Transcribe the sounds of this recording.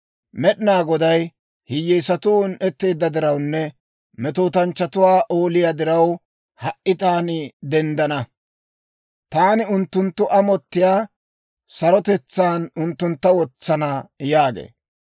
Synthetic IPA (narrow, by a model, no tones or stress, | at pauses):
mɛɗɪnaːɡɔd̪ɐj | hɪjːɛjsɐt̪ʊnʔɛt̪ːe̞ːd̪ːɐd̪ɪɾɐwnːɛ | mɛt̪oːt̪ɐnt͡ʃːɐt̪ʊwaːʔoːlɪjad̪ɪɾɐw | hɐʔːɪt̪aːnɪd̪ɛnd̪ɐnɐ | t̪aːnɪʊnt̪ːʊnt̪ːʊʔɐmɔt̪ːɪjaː | sɐɾɔt̪ɛt͡sːaːnʊnt̪ːʊnt̪ːɐwɔt͡sːɐnɐjaːɡḛː